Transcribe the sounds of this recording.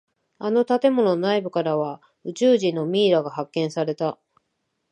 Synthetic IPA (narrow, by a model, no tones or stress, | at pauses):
ano̞t̪at̪e̞mo̞no̞naibɯ̟kaɾaβ̞a | ɯ̟t͡ɕɨːʑĩnːo̞mʲiːɾaɡaɦakːẽ̞ɰ̃saɾe̞t̪a